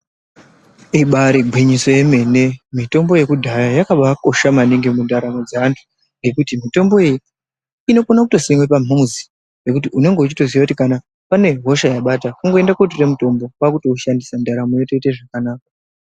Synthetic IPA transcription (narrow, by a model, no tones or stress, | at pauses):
iɓaɾiɡʱwiɲiso̞je̞me̞ne̞mito̞mbo̞je̞kudʱajajakaɓako̞ʃamaniŋɡemundaɾamo̞d͡zaantʰu̥ | ŋɡe̞kutimito̞mbo̞jeji | ino̞konakuto̞siŋwepamuzi | je̞kutiune̞ŋɡe̞ut͡ʃitoziʋakutikana | pane̞ɦo̞ʃajaɓatakuŋɡo̞endakuot̬uremuto̞mbo̞kwakuto̞uʃandisandaɾamojo̞te̞te̞ʐakanaːk̚a